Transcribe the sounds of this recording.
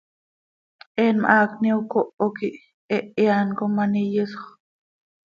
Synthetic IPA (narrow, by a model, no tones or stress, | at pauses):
ʔenma̰ʔakniukoʔokiʔ | eʔeankomanijisoχ